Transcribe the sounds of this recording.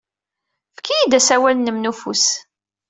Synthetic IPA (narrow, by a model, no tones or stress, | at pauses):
fkːijid̪æsæwælnəmnufṵs